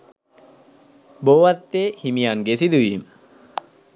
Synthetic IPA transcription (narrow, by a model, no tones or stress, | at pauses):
boːʋat̪ːeːhimijanɡesid̪uʋiːmə